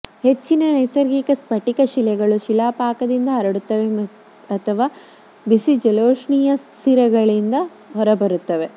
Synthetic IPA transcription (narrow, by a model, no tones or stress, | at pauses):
he̞t͡ʃːinɐnɐjsɐɾɡikɐspɐʈikɐʃilɛɡɐɭuʃilaːpaːkɐd̪ind̪ɐɐɾɐɽut̪ːɐʋe | ɐt̪ʰɐʋaː | bisid͡ʒɐloːʂɳijɐst̪iɾɐɡɐɭind̪ɐ | ɦɔɾɐbɐɾut̪ːɐʋe